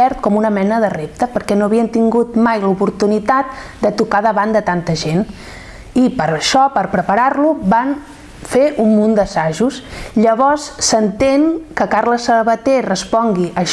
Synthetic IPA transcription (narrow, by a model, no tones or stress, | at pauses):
ɛɾt̪̚kɔmunəmɛnəðərep̚t̪əpəɾkɛnoəβiənt̪iŋɡut̪̚majlupuɾt̪unit̪at̪̚d̪ət̪ukaðəβand̪ət̪ant̪əʒen | ipəɾəʃɔpəɾpɾəpəɾarluban | feʔumːund̪əsaʒusʎəβɔsːənt̪eŋkəkaɾləsəβət̪erəspɔŋɡiʔəʃ